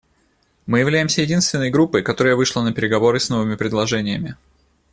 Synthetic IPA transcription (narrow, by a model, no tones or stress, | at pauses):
mɨjɪvlʲæjɪmsʲəjɪdʲinst̪vʲɪnːəjɡɾupːəjkɐt̪o̞ɾəjəvɨʂlˠənəpʲɪɾʲɪɡɐvo̞ɾɨsno̞vɨmʲɪpɾʲɪd̪lˠɐʐɛnʲɪjəmʲɪ